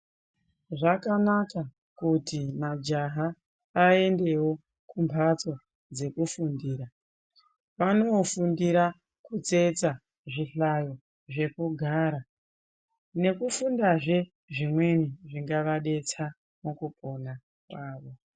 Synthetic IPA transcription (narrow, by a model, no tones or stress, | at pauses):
ʐakanaka | kutimad͡ʒaɦa | aːe̞nde̞wo̞ | kumbʰʱat͡so̞ | d͡ze̞kufundiːɾa | ʋano̞fundiɾa | kut͡se̞t͡sa | ʐiɬajo | ʐe̞puɡʱaːɾa | ne̞kufundaʐe̞ | ʐimwe̞niʐiŋɡaʋaɗe̞t͡sa | mukupʰona | kwaːʋo̞